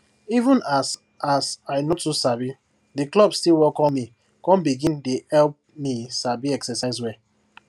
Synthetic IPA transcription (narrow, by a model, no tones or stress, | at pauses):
ivũnas | asaɪnɔtːusabi | diklɔbstilwɔkɔ̃nmi | kɔ̃mbiɡĩndehɛlp̚misabiɛksɛsaɪzwɛ